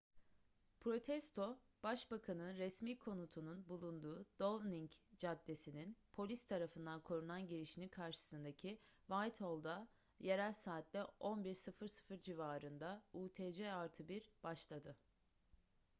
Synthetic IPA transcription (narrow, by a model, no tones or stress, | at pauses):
pʰɾo̞t̪ʰɛst̪ʰo̞ | b̥aʃbakʰanɯnɾɛsmiːkʰo̞nut̪ʰununbulˠund̪uːd̪̥ovniŋcd͡ʒad̪ːe̞sininpʰo̞lʲist̪ʰaɾafɯnd̪ankʰo̞ɾunˠanɟiɾiʃinikʰaɾʃɯ̥sɯnd̪acʰivajt̪ʰho̞lˠd̪a | je̞ɾælʲsaːt̪ʰlʲɛo̞nbiɾsɯfɯɾsɯ̥fɯɾd͡ʒivaːɾɯnd̪auːt̪ʰed͡ʒɛaɾt̪ʰɯbiɾbaʃlˠad̪ɯ